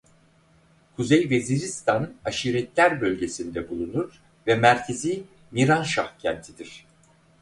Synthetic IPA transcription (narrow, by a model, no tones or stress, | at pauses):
kʰuzejveziɾist̪ʰanaʃiːɾɛt̪lʲæɾbølʲɟe̞sind̪ɛbulˠunuɾ̥ | vɛmæɾcʰeziː | miɾanʃahcʰɛnt̪ʰid̪iɾ̥